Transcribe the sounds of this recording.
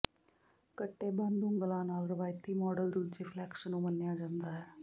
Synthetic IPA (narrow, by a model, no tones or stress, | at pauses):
kəʈːeband̪uŋɡəlãːnaːlɾəʋaːjt̪iːmɔːɖəld̪ud̪̚d͡ʑeflɛːkʂənumənjad͡ʒənɡ̪aɦe